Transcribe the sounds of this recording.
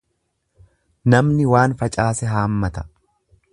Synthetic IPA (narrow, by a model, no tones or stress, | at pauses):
nɐmnɪwaːnfɐt͡ʃʼaːsɛɦaːmːɐt̪ɐ̥